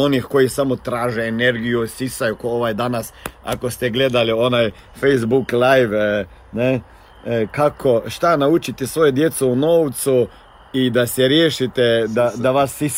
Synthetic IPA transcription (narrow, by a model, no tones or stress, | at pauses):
onixkojisamot̪ɾaːʒeːneɾɡijusisajukooʋajd̪anasa̰kost̪ɛɡled̪alionaj | fejzbuklajʋ | ne | kakʰoʃt̪anaut͡ʃit̪ɛsʋojed̪jeːt̪sounoːwt̪su | id̪asɛɾjeːʃit̪ɛd̪ad̪aʋasis